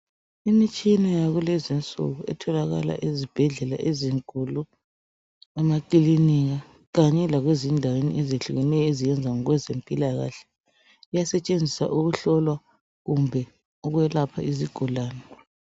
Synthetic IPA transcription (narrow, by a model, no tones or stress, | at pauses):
imit͡ʃʼinajaɣulɛzint͡sʼṵɣuʔɛ̰tʰɔlaɣa̰la̰ʔezib̥ʱɛɮɛla̰ʔeziŋkʼulu | ɛmakiliniɣa | ɣaɲɛlaɣwezindʱawenḭʔeziɬuɣɛnɛjɔezijɛnd͡zʱaŋɔɣwɛzempʼilaɣa̰ɬɛ̥ | ijasɛt͡ʃʼend͡zʱisa̰ʔuɣuɬɔlwa | ɣumbʱɛ | ɔɣwɛlapʰa̰ʔiziɡ̥ʱulaːnɛ